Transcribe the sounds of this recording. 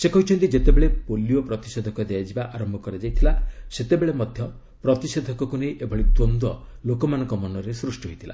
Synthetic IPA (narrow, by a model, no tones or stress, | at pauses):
sekɔɦut͡ʃʰɔnt̪id͡ʒet̪ebeɭepoliopɾɔt̪i̥sed̪ʱɔkɔd̪ejad͡ʒibaʔaɾɔmbʱɔkɔɾed͡ʒajt̪ʰilaset̪ebeɭemɔd̪ʱjɔ | pɾɔt̪ised̪ʱɔkɔkunejʔebʱɔɭit̪ond̪ɔlokɔmanɔŋkɔmɔnɔɾesɾusʈiɦojt̪ʰila̰